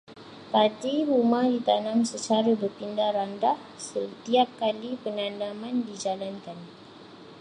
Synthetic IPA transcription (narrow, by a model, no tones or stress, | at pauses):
patiɾumahdit̪anãmsət͡ʃaɾabərpindahrandah | sət̪iap̚kalipənanamandid͡ʒalankan